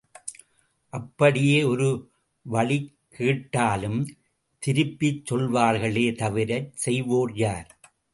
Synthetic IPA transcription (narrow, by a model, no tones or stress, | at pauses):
ʔɐpːɐɽɪjeːɔɾɯ | ʋɐɭɪkʰːiːʈːaːlɯm | t̪ɪɾɯpːɪt͡ʃːɔɭʋaːɾɣɐɭeːt̪ɐʋɪɾɐɾsɛjʋoːrjaːɾ